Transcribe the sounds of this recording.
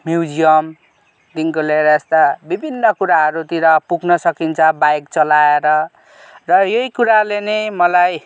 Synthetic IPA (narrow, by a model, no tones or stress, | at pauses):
mjuwd͡zijʌm | d̪iŋkoleɾʌest̪abibʱinːʌkuɾaɦʌɾut̪iɾʌpuɡʱnʌsʌkint͡sʰʌbajkt͡sʌlaeɾʌ | rʌjoikuɾalenemʌlaj